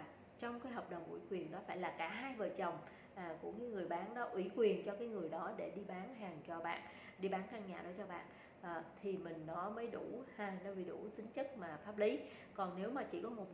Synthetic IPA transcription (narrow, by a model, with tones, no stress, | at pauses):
t͡ɕɔ˧wŋ͡mkaː˨˦jɦɔː˨˩p̚ɗə˨˩wŋ͡mʔṵ˧˩kwi˨˩ənɗɔ˨˦faː˧˩jlaː˨˩kaː˧˩ɦaː˧jvəː˨˩t͡ɕə˨˩wŋ͡m | ʔaː˨˩ku˧˩əɲɨ˨˦ŋɨ˨˩əjɓaː˨˦nɗɔ˨˦ʔwḭ˧˩kwi˨˩ənt͡ɕɔ˧kaː˨˦jŋɨ˨˩əjɗɔ˨˦ɗe˧˩ɗi˧ɓaː˨˦nɦaː˨˩ŋt͡ɕɔ˧ɓa̰ː˧˨n | ɗi˧ɓaː˨˦nkaː˧nɲa̰ː˨˩ɗɔ˨˦t͡ɕɔ˧ɓa̰ː˧˨n | ʔːt̪ʰi˨˩mï˨˩ŋ̟nɔ˨˦məː˨˦jɗu˧˩ha˨˧˩nə˧˦vi˨˩ɗu˧˩t͡ɕ̪ï˨˦ŋt͡ɕə˦˥k̚maː˨˩faː˦˥p̚li˨˦ | kɔ˨˩nne˨˦wmaː˨˩t͡ɕḭ˧˩kɔ˨˦mo˨˩t̚